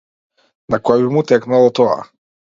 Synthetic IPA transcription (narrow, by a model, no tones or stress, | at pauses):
nakɔjabimut̪ɛknalˠɔt̪ɔa̰